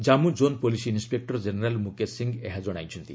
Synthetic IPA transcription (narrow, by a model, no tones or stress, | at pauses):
d͡ʒamud͡ʒonpolisiinspek̚ʈɔɾd͡ʒeneɾalmukesiŋɡeɦad͡ʒɔɽ̃ajt͡ʃʰɔnt̪i